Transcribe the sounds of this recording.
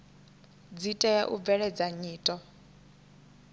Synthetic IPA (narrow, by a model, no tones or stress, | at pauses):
d͡zitʼɛjɛʔub̪vɛɺɛd͡zaɲiːtʼɔ